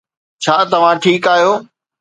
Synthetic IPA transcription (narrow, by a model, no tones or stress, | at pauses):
t͡ɕʰaːt̪ɐʋ̤ãʈʰiːkaːɦijoː